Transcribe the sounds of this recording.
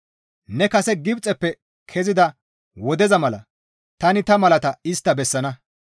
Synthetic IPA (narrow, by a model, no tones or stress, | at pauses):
nɛkɐsɛɡɪbt͡sʼɛpːɛ | kʰɛzɪd̪ɐ | wɔd̪ɛzɐmɐlɐ̰ | t̪ɐnɪt̪ɐmɐlɐt̪ɐɪst̪ːɐbɛsːɐnɐ